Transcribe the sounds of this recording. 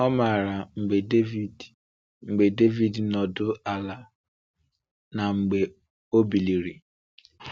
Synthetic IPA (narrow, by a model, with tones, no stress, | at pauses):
ɔ˦ma˨ɾa˨ŋ͡m̩˨ɡ͡be˨de˦vi˦ | ŋ͡m̩˨ɡ͡be˨de˦vi˦dnɔ˨dʊ˦a˨la˨ | na˨ŋ͡m̩˨ɡ͡be˨ | o˦bi˨li˨ɾi˨